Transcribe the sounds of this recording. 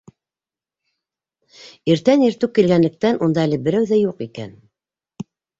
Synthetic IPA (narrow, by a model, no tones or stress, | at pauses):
iɾt̪æniɾt̪ɘw̚kilɡænlɘ̆k̚t̪ænʔund̪ɑælɘbɘ̆ɾæwðæjuqikæ̰n